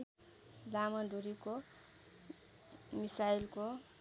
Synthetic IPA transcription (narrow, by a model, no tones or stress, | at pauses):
lamʌduɾiko | misailko